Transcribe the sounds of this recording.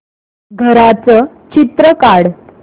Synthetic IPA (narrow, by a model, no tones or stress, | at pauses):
ɡʱəɾat͡sə | t͡ɕit̪ɾəkaɽ